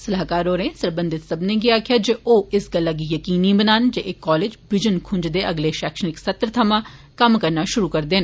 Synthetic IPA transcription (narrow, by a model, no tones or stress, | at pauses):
sɐlaɦkaːɾoːɾẽsɐɾbə̃nd̪ɪt̪sɐbnẽɡɪakʰjad͡ʒeʔoːɪsɡəlːaɡ̬ijəkiːnĩbənaːnd͡ʒeʔɪkːɔːleːd͡ʒbɪd͡ʒənkʰʊ̃nd͡ʒd̪eʔɐɡleʃɛːkʃənɪksɐt̪ɾt̪ʰɐmã | kɐmkɐɾnaʃʊɾukɐɾd̪eːn